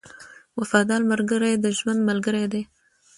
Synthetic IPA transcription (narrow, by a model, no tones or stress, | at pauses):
wafɑd̪ɑlmalɡəɾajd̪əʒwand̪malɡəɾed̪e